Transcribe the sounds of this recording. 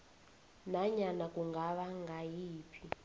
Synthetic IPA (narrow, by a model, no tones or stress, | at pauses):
naɲanakʼuŋɡaβaŋɡʱajiːpʰi